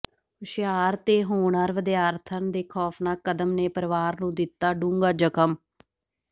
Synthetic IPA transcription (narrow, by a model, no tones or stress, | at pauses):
ʃjaːɾt̪eːɦoːɳaːɾʋəd̪ɪjaːɾt̪ʰənd̪eːkʰɔːpnaːkəd̪əmneːpəɾʋaːɾnũːd̪ɪt̪ːaːɖũːŋɡaːd͡ʒəkʰəm